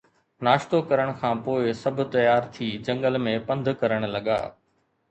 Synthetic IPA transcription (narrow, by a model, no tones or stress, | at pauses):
naːʃt̪okɐɾəɽ̃kʰãːpoːɪsɐbʱt̪ɐjaːɾt̪ʰiːd͡ʑɐ̃ŋɡəlmẽpɐ̃nd̪ʱkɐɾəɽ̃lɐɠa̰ː